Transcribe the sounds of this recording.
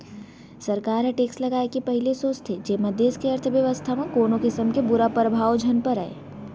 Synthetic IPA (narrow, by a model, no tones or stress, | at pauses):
sɐɾkaːɾɦeʈeːksʈlɐɡaːekepɐɦɪlesoːt͡ʃt̪ʰed͡ʒeːmɐd̪eːskeɐɾt̪ʰʋjəʋəst̪ʰamẽkoːnokɪsəmkebʊɾapɾəbʱaːwd͡ʒʱɐnpəɾa̰ːḛː